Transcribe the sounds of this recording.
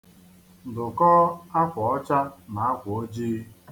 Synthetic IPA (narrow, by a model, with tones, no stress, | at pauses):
n̩˨dʊ˨kɔ˦a˦kʷɔ˨ɔ˦t͡ʃa˦na˨a˦kʷʊ˨o˦d͡ʒiː˦